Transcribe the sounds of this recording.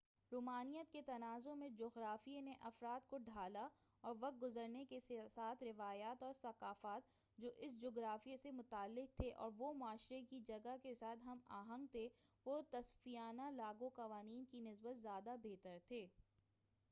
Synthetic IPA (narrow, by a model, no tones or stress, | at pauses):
ɾuːmaːnijət̪̚ket̪ɐnaːzõmẽd͡ʒoːɡɾaːfienẽʔɐfɾaːd̪̚koɖʱaːla | ɔːɾʋɐq̪̚ɡʊzəɾnekessaːt̪ʰɾɪʋaːjaːt̪ɔːɾsɐqaːfaːt̪ | d͡ʒoːʔɪsd͡ʒoːɡɾaːfijesemʊt̪aːlːɪq̚t̪ʰeʔɔ̰ːɾʋomʊaːʃɾekid͡ʒɐɡakesaːt̪ʰɦɐmaːɦə̃ŋɡ̚t̪ʰeʋot̪ɐsfijaːnalaːɡoqɐʋaːniːnkinɪsbət̪zjaːd̪abeːt̪əɾt̪ʰeː